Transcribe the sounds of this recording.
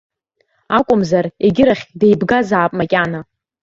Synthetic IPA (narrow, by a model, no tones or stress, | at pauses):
akʷʼʊmzareɡʲɪɾaχʲdejbɡazaːpʼmakʲʼana